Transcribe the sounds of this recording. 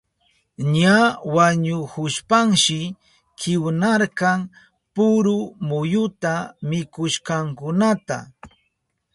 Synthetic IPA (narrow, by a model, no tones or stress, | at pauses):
ɲawaɲʊkʊʃpaŋʃɪ | kɪwnaɾkɑŋ | pʊɾʊmʊjʊt̪amɪkʊʃkɑŋkʊnat̪a̰